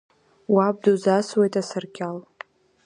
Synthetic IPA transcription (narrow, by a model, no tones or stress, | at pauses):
wab̚duzaswejtʼasɨrkʲʰal